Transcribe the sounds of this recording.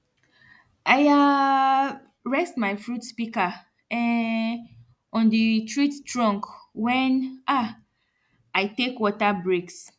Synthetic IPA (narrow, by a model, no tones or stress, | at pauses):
ʔaja | ɹɛstmajfɹutspika | ɛ | ɔ̃ndətʰɹittɹɔ̃ŋkwɛ̃nʔa | ajtekwɔtabɹeks